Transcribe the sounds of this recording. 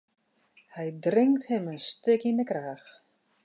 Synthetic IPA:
hɛjdrɪŋkthɪmənstɪkindəkraːx

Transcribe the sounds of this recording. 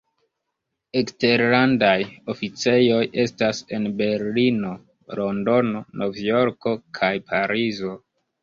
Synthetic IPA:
ekste̞ɾlandajo̞fit͡se̞jo̞je̞stase̞nbe̞ɾlino̞ | lo̞ndo̞no̞nʔo̞vjo̞ɾko̞kʰajpʰaɾizo̞

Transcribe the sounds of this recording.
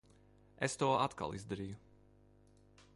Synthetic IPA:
ɛst̪uɔat̪ka̰lˠizd̪aɾiːju

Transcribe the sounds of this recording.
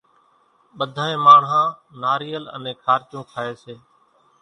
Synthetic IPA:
ɓəd̪ʱaːẽːmaːɳɦãːnaːɾiːələ̰nẽːkʰaːɾt͡ʃõːkʰaːeːseː

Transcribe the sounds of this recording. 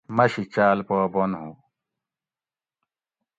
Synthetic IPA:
mɐɕit͡ɕaːlpoːbonɦũ

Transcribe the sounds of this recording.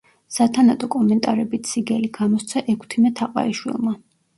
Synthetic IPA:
sat̪ʰanat̪ʼɔkʼɔmɛnt̪ʼaɾɛbit̪ʰsiɡɛliɡamɔst̪sʰaʔɛkʰt̪ʰimɛt̪ʰaqʼa̰iʃwḭlˠma

